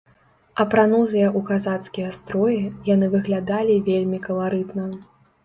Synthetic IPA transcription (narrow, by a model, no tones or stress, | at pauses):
ɐpɾanɔzɨjɐʔukazat̪skʲijɐst̪ɾɔjɛjanɨvɨɣlʲad̪alʲivʲelʲmʲikɐlˠaɾɨt̪nɐ